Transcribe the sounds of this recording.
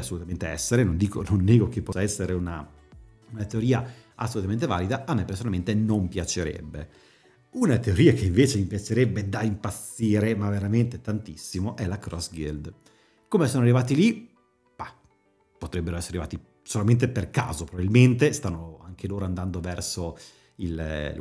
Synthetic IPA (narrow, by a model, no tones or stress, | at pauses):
asːolut̪ament̪eɛ̰sːeɾenond̪iːko̰nonːeːɡokepːɔsaɛsːeɾeuna | unat̪eoɾiːaʔasːolut̪amẽnt̪eva̰ːlid̪aʔamːɛpːeɾrsonalment̪enompjat͡ʃeɾɛ̰bːḛ | unat̪eoɾiːakeiɱveːt͡ʃemipjat͡ʃeɾɛbːed̪aimpat̪sːiːɾemaveɾament̪et̪ant̪isːimoʔɛlakɾɔsɡḭld̪ | komesoːnoarːivaːt̪ili | ba | pot̪ɾɛbːeɾoɛsːeɾaɾiva̰ːt̪i | solament̪eperka̰ːzopɾovabilment̪̬est̪anːoaŋk̟eloːɾoand̪and̪ovɛrso | il